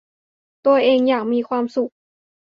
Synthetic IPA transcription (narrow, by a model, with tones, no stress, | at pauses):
t̪u˧ɐʔeː˧ŋjaː˨˩k̚miː˧kʰwaː˧msu˨˩k̚